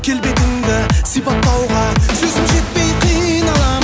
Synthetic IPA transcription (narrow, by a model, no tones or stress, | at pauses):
kʲʰe̞lbe̞t̪ɪnd̪ɪsijpɑt̪ːɑwʁɑsɵzɪmʒe̞t̪̚pe̞jqʰijnɑlˠɑ